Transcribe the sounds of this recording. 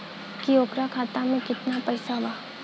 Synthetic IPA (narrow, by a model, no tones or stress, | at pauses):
kioːkɾakʰaːt̪amẽkɪt̪napɛːsabaː